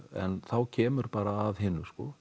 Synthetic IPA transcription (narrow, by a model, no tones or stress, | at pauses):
ɛ̰nθawcʰɛːmʏɾpaːɾaːðhɪnːʏskɔ̰